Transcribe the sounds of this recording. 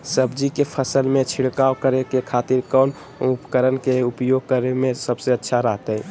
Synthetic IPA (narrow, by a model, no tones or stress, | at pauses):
səbd͡ʒikepʰəsəlmet͡ʃʰiɽkaokəɾekekʰat̪iɾkən | upəkəɾənkeupjoɡ̚kəɾemẽsəbseətːʃʰaɾəɦt̪əɪ